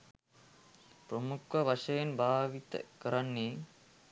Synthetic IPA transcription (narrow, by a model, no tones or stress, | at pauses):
pɾɐmukʋɐʋɐʂɐjɐnbʱaːʋit̪ɐ̰kɐɾɐnːi